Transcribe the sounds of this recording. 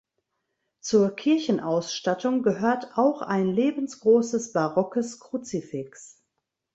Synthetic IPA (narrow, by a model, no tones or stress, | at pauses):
t͡suːɐkʰɪɐçn̩ʔaʊsʃtatʊŋɡəɦøːɐtaʊxaɪnleːbn̩sɡ̥ʁoːsəsb̥aʁɔkəskʁ̥ut͡sifɪks